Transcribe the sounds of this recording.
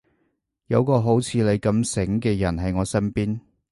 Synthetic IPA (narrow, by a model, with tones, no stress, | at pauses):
jɐ˨˧wkɔː˧ɦo˨˥wt͡sʰiː˨˧le˨˧jkɐ˧msɪ˨˥ŋkɛː˧jɐ˨˩nɦɐ˨jŋɔː˨˧sɐ˥npiː˥n